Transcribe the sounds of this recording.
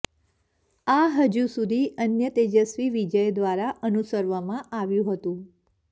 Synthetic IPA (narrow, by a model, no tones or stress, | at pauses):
aɦəd͡ʒusud̪ʱiənjət̪ed͡ʒəsʋiʋid͡ʒəjd̪ʋaɾaʔənusəɾʋamãʔaʋjũɦət̪ũ